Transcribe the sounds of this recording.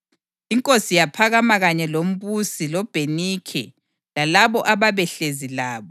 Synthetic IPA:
iŋkʼosijapʰaɣamaɣaɲɛlom̩βusilɔb̥ʱenikʰɛ̰ | lalaβɔʔaβaβɛɬezilaːβɔ

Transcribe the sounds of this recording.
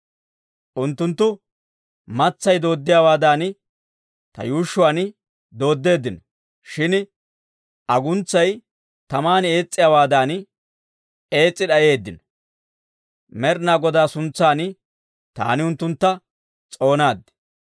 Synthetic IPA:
ʔʊnt̪ːʊnt̪ːʊ | mɐt͡sːɐjd̪o̞ːd̪ːɪjaːwaːd̪aːnɪ | t̪ɐ̰juːʃːʊaːnɪ | d̪o̞ːd̪ːe̞ːd̪ːɪnɔ | ʃɪn | ʔɐɡʊnt͡sːɐj | t̪ɐmaːneːt͡sʼːɪjaːwaːd̪aːn | e̞ːt͡sʼːɪɗɐje̞ːd̪ːɪnɔ̥ | mɛɾnaːɡɔd̪aːsʊnt͡sːaːnɪ | t̪a̰ːnɪʊnt̪ːʊnt̪ːɐ | t͡sʼo̞ːnaːd̪ɪ̥

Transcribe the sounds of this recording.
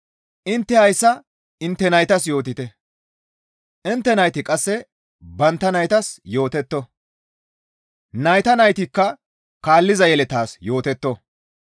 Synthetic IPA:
ʔɪnt̪ːɛhɐjsːɐ | ɪnt̪ːɛnɐjt̪ɐsjo̞ːt̪ɪt̪ɛ | ʔɪnt̪ːɛnɐjt̪ɪkʼɐsːɛ | bɐnt̪ːɐnɐjt̪ɐsjo̞ːt̪ɛt̪ːɔ | nɐjt̪ɐnɐjt̪ɪkːɐ | kaːlːɪzɐjɛlɛt̪aːsjo̞ːt̪ɛt̪ːɔ

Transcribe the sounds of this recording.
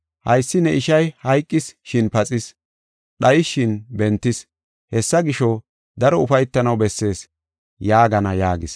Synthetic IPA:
hɐjsːɪnɛʔɪʃɐjhɐjkʼːɪsʃɪnpɐt͡sʼɪs | ɗɐjɪʃːɪnbɛnt̪ːɪs | hɛsːɐɡɪʃɔ | d̪ɐɾɔʊfɐjt̪ːɐnɐwbɛsːe̞ːs | jaːɡɐnɐjaːɡɪs

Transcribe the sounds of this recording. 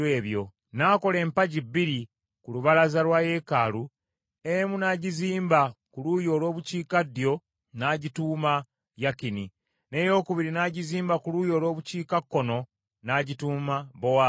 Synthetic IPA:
weːβjo̞ | naːko̞le̞ːmpaɟibːiɾi | kuluβalazalwaje̞kalu | emunaɟiziːmbakulujo̞ːlo̞ːβuciːkadjo̞ | naːɟituːma | jakini | ne̞jo̞ːkuβiɾinaːɟiziːmbakulujo̞ːlo̞ːβuciːkakːo̞no̞ | naɟituːmaβowa

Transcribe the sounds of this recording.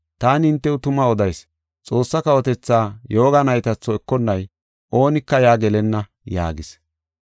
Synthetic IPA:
t̪aːnɪɪnt̪ːɛwʊt̪ʊmɐɔd̪ɐjs | t͡sʼo̞ːsːɐkɐwɔt̪ɛt͡sːaːjo̞ːɡɐnɐjt̪ɐt͡sːɔɛkːɔnːɐj | ʔo̞ːnɪkːɐjaːɡɛlɛnːɐ | ja̰ːɡɪs

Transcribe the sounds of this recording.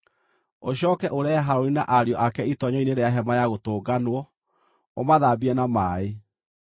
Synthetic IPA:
oɕɔːkɛʔoɾɛaɦaɾoɾina̰ʔaɾjɔʔakɛitɔɲɔineɾeaɦɛmajaɣotoːɡanwɔ | o̰maðaːbiɛnamaːe

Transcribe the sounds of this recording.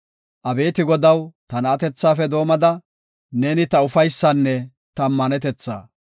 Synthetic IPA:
ʔɐbe̞ːt̪ɪɡɔd̪ɐwt̪ɐnɐt̪ɛt͡sːaːfɛd̪o̞ːmɐd̪ɐ | neːnɪt̪ɐʊfɐjsːɐnːɛ | t̪ɐmːɐnɛt̪ɛt͡sːa̰ː

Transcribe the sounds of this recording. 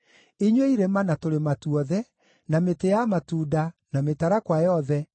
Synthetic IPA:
eɲweiɾemanatoɾematuɔðɛ | nametejamatuːdanametaɾakwajɔðɛ

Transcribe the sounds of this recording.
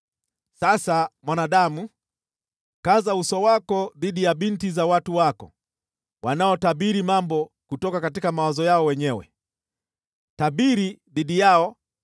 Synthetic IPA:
sasamwanaɗamu | kazausɔwakɔðiɗijaɓintizawatuwakɔ̰ | wanaɔtaɓiɾimambɔ | kutɔkakatikamawazɔjaɔwɛɲɛwɛ̰ | taɓiɾiðiɗijaɔ

